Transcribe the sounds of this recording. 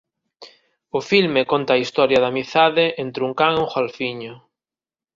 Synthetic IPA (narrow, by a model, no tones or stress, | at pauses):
ʊfilmekont̪aːist̪ɔɾjɐðamiθaðɪʔent̪ɾuŋkaŋeuŋxalfiɲʊ